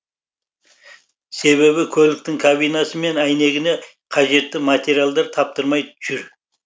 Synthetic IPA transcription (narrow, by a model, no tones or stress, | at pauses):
se̞βe̞βɪkʲʰɵlɪk̚t̪ɪŋkʰabijnɑsəme̞næjne̞ɡʲɪne̞ | qʰɑʒe̞t̪ːɪmat̪ʲe̞ɾijalˠd̪ɑɾt̪ʰɑp̚t̪əɾmɑjt̪ʰʏʒ̥ɪɾ